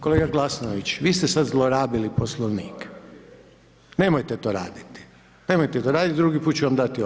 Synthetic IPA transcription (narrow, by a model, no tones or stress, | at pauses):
ko̞leɡaɡlasnoʋit͡ɕʋiːst̪esad̪zlˠoɾaːbiliposlˠoʋnḭːk | ne̞mojt̪et̪o̞ːɾa̰ːd̪it̪i̥ | ne̞mojt̪et̪oɾaːd̪it̪d̪ɾuɡipuːt̪̚t͡ɕuʋamd̪at̪io